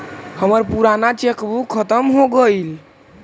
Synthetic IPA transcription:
həməɾpuɾanat͡ʃekbukʰət̪əmɦoɡəil

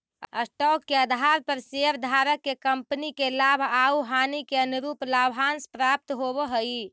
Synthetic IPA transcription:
əsʈɔkːeəd̪ʱaɾpəɾseəɾd̪ʱaɾəkːekəmpənikelabʱauɦanikeənuɾuplabʱanspɾap̚t̪ɦobəɦəi

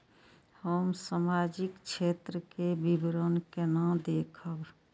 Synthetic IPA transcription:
həmsamaːd͡ʒɪkt͡ʃʰeːt̪ɾəkebibɾoːnkenãd̪eːkʰəb

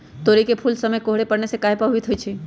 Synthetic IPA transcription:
t̪oːɾikepʰulsəməjkoɦɽepəɽnesekaːɦepəɦʋit̪ɦoit͡ʃʰe

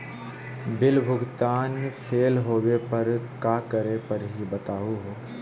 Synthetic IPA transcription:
bɪlbʱʊɡt̪aːnpʰeːlɦoːwepɐɾkaːkəɾepɐɾɦibɐt̪aːuɦoː

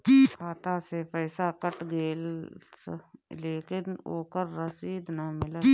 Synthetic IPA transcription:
kʰaːt̪asepɛɪsakəʈɡeːlsleːkɪno̰ːkəɾːəsiːd̪namɪlə

